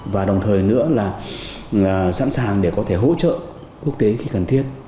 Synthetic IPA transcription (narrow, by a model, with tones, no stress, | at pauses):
vaː˨˩ɗə˨˩wŋ͡mt̪ʰəː˨˩jnɨ̰˧˥əlaː˨˩˨ | sa̰ː˧˥nsaː˨˩ŋɗe˧˩kɔ˨˦t̪ʰe˧˩ɦo̰˧˥t͡ɕə̰ː˧˨ | ku˥ək̚t̪e˨˦xi˧kə˨˩nt̪ʰi˦˥ət̚